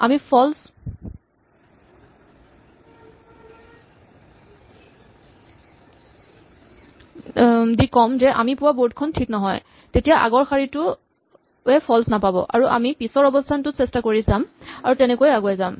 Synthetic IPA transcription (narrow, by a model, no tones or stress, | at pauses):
a̰mipʰɔls | dikɔmzɛʔa̰mipʊwaboɹt̚kʰɔntʰiknɔɦɔj | tetijaʔa̰ɡɔɹxʰaɹitʊ | ɛpʰɔlsnapabɔ̰ʔa̰ɹuʔa̰mipisɔɹɔbɔstʰantʊsɛstakoɹizamaɹutɛnɛkojaɡoazam